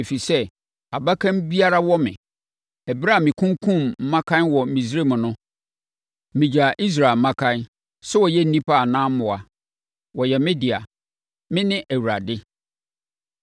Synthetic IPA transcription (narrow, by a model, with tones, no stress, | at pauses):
e˨fi˨sɛ˦ | a˨ba˦kʰã˦mbi˦a˦ɾa˦wɔ˦mɪ̰̃˨ | ɛ˨bɾa˦˨mɪ̃˨kʰũ˦ŋkʰũ˦˨mm̩˦mã˦kʰã˦nwɔ˨m̩˨mĩ˨sɾe˦mʊ̃˨nʊ̃˦ | mɪ̃˨d͡ʑa˨ʔi˦s̬ɾa˨mã˦kʰã˦n | sɛ˦wɔ˨jɛ˦n̩˦nĩ˦pa˦a˨nãː˦m̩˦mʊ̃˨a˨ | wɔ˨jɛ˨mɪ̃˦dɪ˨a̰˨ | mɪ̃˦nɪ̃˦ʔæ˨wu˨ɾa˨dɪ˦